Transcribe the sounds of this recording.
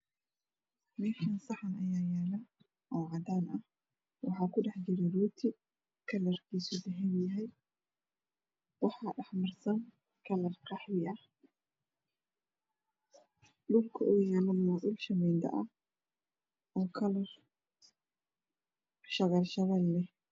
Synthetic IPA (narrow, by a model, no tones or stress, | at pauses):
mɛːʃɐnsɑħanɐjaːjaːlɐ | ʔɔːʕɑd̪aːnʔɐh | wɑħɑːkʰʊɖɛħd͡ʒɪɾɛruːt̪ʰɪ | kʰɐlɐrkʰiːsʊd̪ɐɦɛnjɐɦɛj | wɑħɑːɖɑħmɐrsɐŋ | kʰɐlɐrqɑħjɪʔɐh | lʊŋkʰʊʔʊɣjaːlɐmɐʔʊlʃɐmɛnd̪ɐ̰ʔɐh | ʔɔːkʰɐlɐr | ʃɐɣɐlʃɐɣɐllɛ